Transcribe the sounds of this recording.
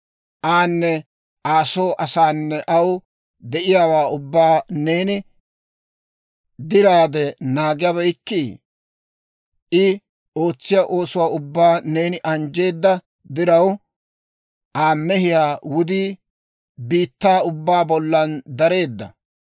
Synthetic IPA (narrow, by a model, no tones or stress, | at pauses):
ʔaːnːɛ | ʔaːso̞ːʔɐsaːnːɛʔɐw | d̪ɛʔɪjaːwaːʊbːaːneːnɪ | d̪ɪɾaːd̪ɛnaːɡɪjɐβɐjkːi | ʔɪ | o̞ːt͡sːɪjaʔo̞ːsʊwaːʊbːaːne̞ːnɪʔɐnd͡ʒe̞ːd̪ːɐ | d̪ɪɾɐw | ʔaːmːɛɦɪjaːwʊd̪iː | biːt̪ːaːʊbːaːbɔlːɐnd̪ɐɾe̞ːd̪ːɐ̰